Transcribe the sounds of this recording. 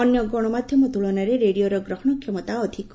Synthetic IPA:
ɔnjɔɡɔɽ̃ɔmad̪ʱjɔmɔt̪uɭɔnaɾeɾeɽioɾɔɡɾɔɦɔɳ̃ɔkʰːjɔmɔt̪aɔd̪ʱik

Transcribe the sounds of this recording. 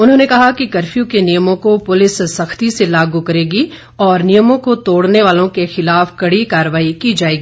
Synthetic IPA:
ʊnɦõːnekɐɦakikɐɾfijũkenijəmõkopʊlɪssɐxt̪iselaːɡukɐɾeːɡi | ɔːɾnijəmõkot̪oːɽneʋaːlõkexɪlaːfkɐɽikaːɾəʋaːikiːd͡ʒaːeːɡiː

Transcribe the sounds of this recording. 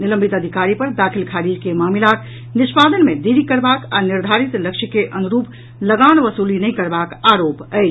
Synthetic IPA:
nilə̃mbʱit̪əd̪ʱikaɾipəɾd̪akʰilkʰaɾid͡ʒkemamilak̪ | nɪspad̪ənmed̪iɾikəɾbaka̰niɾd̪ʱaɾit̪ləkʃʰikeʔənuɾup | ləɡanʋəsulinɛjkəɾbakaɾopəɪt͡ʃʰ

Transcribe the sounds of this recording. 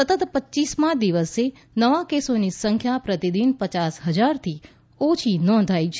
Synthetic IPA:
sət̪ət̪pətːʃismãd̪iʋəse | nəʋakesonisəŋkʰjapɾət̪id̪inpət͡ʃasɦəd͡ʒaɾt̪ʰi | ot͡ʃʰinɔ̃nd̪ʱait͡ʃʰe

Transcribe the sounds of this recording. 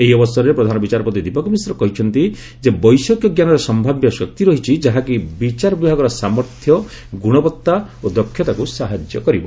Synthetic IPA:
eɦiɔbɔsɔɾɔɾepɾɔd̪ʱanɔbit͡ʃaɾɔpɔt̪id̪ipɔkɔmisɾɔkɔɦit͡ʃʰɔnt̪i | d͡ʒebɔjsɔkjɔɡjanɔɾesɔmbʱabjɔsɔk̚t̪iɾɔɦit͡ʃʰid͡ʒaɦakibit͡ʃaɾɔbibʱaɡɔɾɔsamɔɾt̪ʰjɔ | ɡuɽ̃ɔpɔt̪ːaod̪ɔkʰːjɔt̪akusaɦad͡ʒjɔ̰kɔɾibɔ

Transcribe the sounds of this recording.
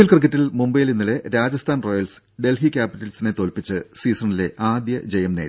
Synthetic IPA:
ilkrɨk̬ːɐtːilmumbɐjilinːuleɾaːd͡ʑɐst̪ʰaːnro̞ːjɐls | ɖe̞lɦikʲaːpitːɐlsine̞t̪o̞ːlpit͡ɕːɨsiːsɐɳile̞ʔaːd̪jɐd͡ʑejɐmneːi

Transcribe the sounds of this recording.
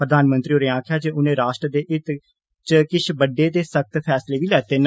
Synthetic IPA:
pɾəd̪aːnmə̃nt̪ɾiːoːɾẽːãːkʰjaːd͡ʒeːʊnẽːɾaːʃʈɾəd̪eːʔɪt̪ | t͡ʃəkɪt͡ʃʰbəɖːeːd̪eːsək̚t̪pʰɛːsleːʋiːlɛːt̪eːn

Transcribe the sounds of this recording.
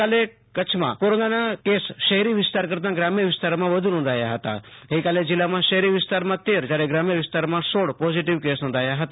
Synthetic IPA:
ale | kət͡ʃʰmã̰poɾonanakesʃəɦɾiʋɪst̪aɾkəɾt̪ãɡɾamijəʋɪst̪aɾmãʋəd̪ʱunõːnd̪ʱaːjaɦət̪a̰ɦeikaled͡ʒɪlːamãʃəɦɾiʋɪst̪aɾmãt̪eɾd͡ʒjaɾeɡɾamjəʋɪst̪aɾmãsoɽpɔziʈ̬iʋkesnõnd̪ʱajaɦət̪a

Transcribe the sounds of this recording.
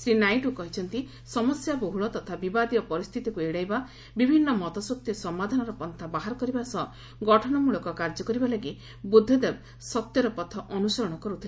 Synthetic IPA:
sɾinajʈukɔɦit͡ʃʰɔnt̪i | sɔmɔsjaboɦuɭɔt̪ɔt̪ʰabibad̪iɔpɔɾist̪ʰit̪ikueɽajba | bibʱinːɔmɔt̪ɔsɔk̚t̪jisɔmːad̪ʱanɔɾɔpɔnt̪ʰabaɦaɾɔkɔɾibasɔ | ɡɔʈʰɔɽ̃ɔmuɭɔkɔkaɾd͡ʒɔkɔɾibalaɡi | bud̪ʱːɔd̪eb | sɔt̪jɔɾɔpɔt̪ʰɔʔɔnusɔɾɔɽ̃ɔkɔɾut̪ʰil

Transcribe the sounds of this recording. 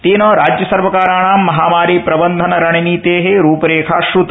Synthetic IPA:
t̪iːnoːɾaːd͡ʒjɐsɐɾʋɐkaːɾaːɳaːmːɐɦaːmaːɾiːpɾɐbɐnd̪ʱɐnɐɾɐɳiniːt̪eːɦeɾuːpɐɾeːkʰaːʃɾut̪

